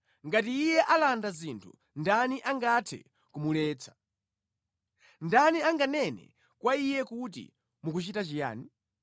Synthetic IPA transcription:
ŋɡatiːjɛʔalandazintʰu̥̰ | ndaniʔaŋɡatʰɛ̰ | kumulɛːt͡sʰḁ | ndaniaŋɡanɛnɛ̰ | kwaijɛkut̬ḭ | mukut͡ʃitat͡ʃija̰ːni

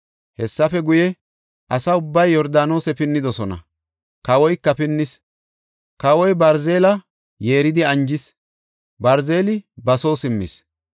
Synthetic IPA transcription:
hɛsːɐfɛɡʊjɛ | ʔɐsɐʊbːɐjːɔɾd̪aːno̞ːsɛpɪnːɪd̪ɔsɔnɐ̰ | kɐwɔjkːɐpɪnːɪs | kɐwɔjbɐɾze̞ːlɐ | je̞ːɾɪd̪ɪɐnd͡ʒɪs | bɐɾzeːlɪbɐso̞ːsɪmːɪ̰s

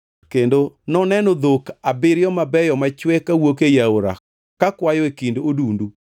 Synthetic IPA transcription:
kendonɔnɛnɔd̪okabɪɾjɔmabɛjɔmat͡ʃwɛkawokejaoɾa̰ | kakwajɔekindoodundu

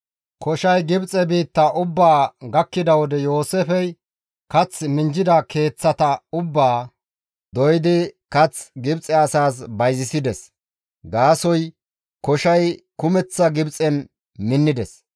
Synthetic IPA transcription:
kɔʃɐjɡɪbt͡sʼɛbiːt̪ːɐʔʊbːaːɡɐkːɪd̪ɐwɔd̪ɛjo̞ːsefɛj | kɐt͡smɪnd͡ʒɪd̪ɐke̞ːt͡sːɐt̪ɐʊbːaː | d̪ɔjɪd̪ɪkɐt͡sɡɪbt͡sʼɛɐsaːsbɐjzɪsɪd̪ɛs | ɡaːsɔj | kɔʃɐjkʊmɛt͡sːɐɡɪbt͡sʼɛn | mɪnːɪd̪ɛs

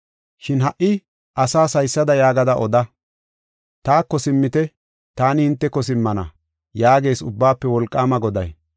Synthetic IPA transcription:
ʃɪnɦɐʔɪ | ʔɐsaːsɐjsːɐd̪ɐjaːɡɐd̪ɐʔɔd̪ɐ | t̪aːkːɔsɪmːɪt̪ɛ | t̪aːnɪhɪnt̪ːɛkːɔs̬ɪmːɐnɐ̰ | jaːɡe̞ːsʊbːaːpːɛwɔlkʼːaːmɐɡɔd̪ɐj

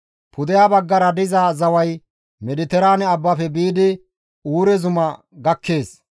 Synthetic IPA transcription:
pʰʊd̪ɛjaːbɐɡːɐɾɐd̪ɪzazɐwɐj | mɛd̪ɪt̪ɛɾaːnɛɐbːɐfɛbiːd̪ɪ | uːɾɛzʊmɐ | ɡɐkʰːe̞ːs

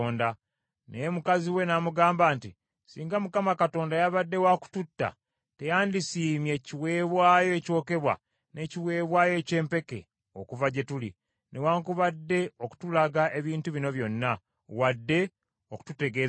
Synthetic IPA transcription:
nda | nemukaziwe̞namuɡaːmbaːnti | siːŋɡamukamakato̞ːndajaβadːe̞waku̥tutːa̰ | te̞jaːndisiːmje̞ciwe̞ːβwaːjo̞eco̞ːke̞βwa̰ | ne̞ciwe̞ːβwaːjo̞ːce̞ːmpe̞ke̞̰ | okuvaɟe̞tulḭ | newaːŋkuβadːe̞o̞ku̥tulaɡaʔe̞βiːntuβino̞βjo̞nːa | wadːe̞ | oku̥tute̞ɡeː

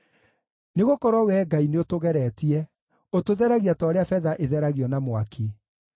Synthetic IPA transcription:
neɣokɔɾwɔwɛɡaineotoɣɛɾɛtiɛ | otoðɛɾaɣiatɔɾeafɛðaʔeðɛɾaɣiɔnamwakʰe

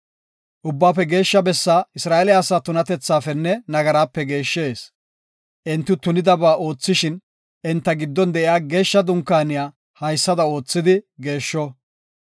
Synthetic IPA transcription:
ʔʊbːaːpːɛɡe̞ːʃːɐbɛsːaːɪsɾaːʔɛlɪjaːsaːt̪ʊnɐt̪ɛt͡sːaːfɛnːɛnɐɡɐɾaːpːɛɡe̞ːʃːe̞ːs | ʔɪnt̪ːʊt̪ʊnɪd̪ɐbaːʔo̞ːt͡sːɪʃɪn | ɪnt̪ːɐɡɪd̪ːɔnd̪ɛʔɪjaːɡe̞ːʃːɐd̪ʊŋkːaːnɪjaː | hɐjsːɐd̪ɐo̞ːt͡sːɪd̪ɪɡe̞ːʃːɔ

